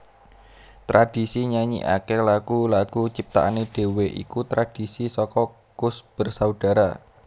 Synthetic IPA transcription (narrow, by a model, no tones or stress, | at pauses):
t̪ɾad̥i̤siɲaɲḭʔa̰kelaɡ̥ulaɡ̥ut͡ʃip̚t̪a̰ʔaneɖ̥e̤weʔḭkut̪ɾad̥i̤sisɔkɔ | ɡ̥ʊsb̥ə̤rsaud̥a̤ɾa̰